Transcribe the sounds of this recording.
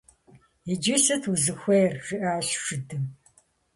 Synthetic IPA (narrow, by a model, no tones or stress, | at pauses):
id͡ʒɪsɨtʰuzɨxʷejrʒɨʔaːɕʂɨdɨm